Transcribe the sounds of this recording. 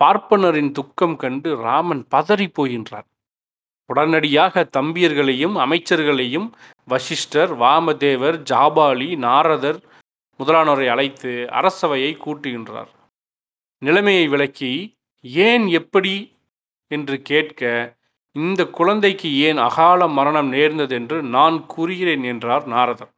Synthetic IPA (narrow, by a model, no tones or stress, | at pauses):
paːɾpɐnɐɾɪnt̪ʊkːɐmkɐɳɖɯɾaːmɐnpɐðɐɾipːoːɣɪndra̰ːɾ | ʊɽɐnɐɽɪjaːɣɐt̪ɐmbɪjɐɾɣɐɭɐjɯmɐmɐɪt͡ʃːɐɾɣɐɭɐjɯm | ʋɐʂɪʂʈɐɾʋaːmɐd̪eːʋɐɾd͡ʒaːbaːɭinaːɾɐðɐɾ | mʊðɐlaːnɔɾɐɪɐlɐɪt̪ːɯɐ̰ɾɐsɐʋɐjɐɪkːuːʈːɯɣɪndra̰ːɾ | nɪlɐmɐjɐɪʋɪɭɐkːi | eːnɛpːɐɽi | ɛndrɯkeːʈkɐ | ɪnd̪ɐkːʊɻɐnd̪ɐɪkːɯeːnɐ̰ɣaːlɐmɐɾɐɳɐmneːɾnd̪ɐðɛndrɯnaːnkuːɾɪɣɪɾeːnɛndraːɾnaːɾɐðɐɾ